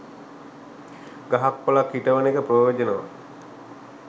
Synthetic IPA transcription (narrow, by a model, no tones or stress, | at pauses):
ɡaɦakpolakhiʈəʋənekəpɾojod͡ʒənəʋa